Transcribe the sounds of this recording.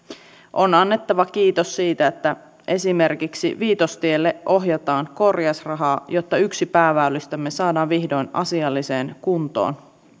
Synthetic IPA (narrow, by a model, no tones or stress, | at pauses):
ʔo̞nɑnːet̪ːɑʋɑk̟iːt̪osːiːt̪æet̪ːæ | ʔe̞sime̞rkiksḭʋiːt̪ost̪ielːeʔʔo̞ɦjɑt̪ɑːŋko̞rjɑsrɑɦɑːjo̞t̪ːɑyksipæːʋæølːist̪æmːe̞sɑːdɑːʋʋihdo̞jnɑ̰siɑlːiseːnkunt̪o̰ːn